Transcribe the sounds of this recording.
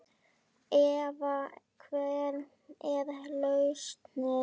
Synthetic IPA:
ɛvakʰvɛːɾ | ɛðalœɥst̪nɪ

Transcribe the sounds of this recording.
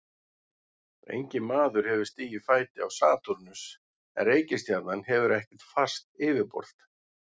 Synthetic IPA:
ḛjɲcɪmaːðʏɾ̥hɛvɪɾ̥st̪iːjɪ̥faːjt̪ɪawsaːt̪uɾnʏs | ɛ̰nreːjcɪst̪jaɾt̪nanhɛvʏɾɛhcɪ̥t̪fast̪ɪːvɪɾpɔ̰ɾ̥l̥t̪

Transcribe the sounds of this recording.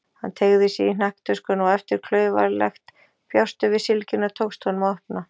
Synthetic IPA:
hant̪ʰeɣðɪsjɛinnahkt̪ʰœskʏnɔɛft̪ɪɾ̥kʰlœːɥva̰ɾlɛ̰xt̪ | pjawst̪ʏvɪsɪlcɪnːat̪ʰoːwkst̪hɔnmœhpna

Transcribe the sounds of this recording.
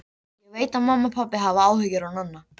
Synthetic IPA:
jɛɣveːjt̪aðmamːapʰapːɪɦavaaːwhʏcːʏɾawnanːa

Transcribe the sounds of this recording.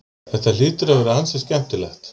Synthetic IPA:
θɛht̪aliːt̪ʏɾavɛɾʏhansɛscɛm̥t̪ʏlɛxt̪

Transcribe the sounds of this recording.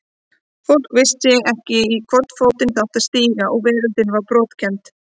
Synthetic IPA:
fowl̥kvɪst̪jɛɣɛhcɪikʰvɔɾt̪foːwt̪ɪnθawht̪ast̪iːɣaʔɔɣvɪːɾʏnt̪ɪnvaɾpɾɔːt̪cʰɛmt̪

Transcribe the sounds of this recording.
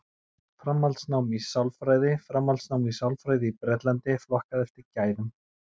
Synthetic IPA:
fɾamːalt̪snawmisawlfɾaːjðɪfɾamːalt̪snawmisawlfɾajðɪipɾɛt̪lɛnt̪ɪflɔhkaðɛft̪ɪɾcaːjðʏm

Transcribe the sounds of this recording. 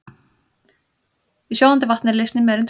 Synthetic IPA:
isjoːwant̪ɪvaht̪nɪɾlɪst̪nɪmɛɾʏnt̪ʰ

